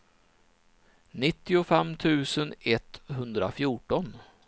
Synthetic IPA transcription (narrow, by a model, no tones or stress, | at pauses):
nɪt̪ːɪʊfɛmt̪ʰʉ̟ːsənɛt̪ɦɵnd̪ɾa̰fjuːʈɔn